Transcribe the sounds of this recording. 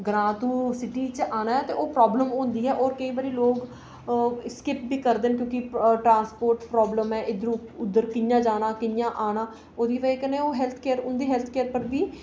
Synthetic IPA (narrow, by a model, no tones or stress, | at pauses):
ɡɾãːt̪uːsɪʈiːt͡ʃaːnaːɦɛːt̪eːʔoːpɾɔːbləmʊ̃ːnd̪iːɛːʔoːɾkəĩːbaɾiːloːɡ | skɪp̚biːkəɾd̪eːnkjõːkɪʈɾãːnspoːɾʈpɾɔːbləmɛːʔɪd̪əɾũːʊd̪ːəɾkɪnjãːd͡ʒaːnaːkɪnjãːʔaːnaː | oːd̪iːʋaiːkəneːoːɦɛːlt̪ʰkeːɾʊnd̪iːɦɛːlt̪ʰkeːɾpəɾbiː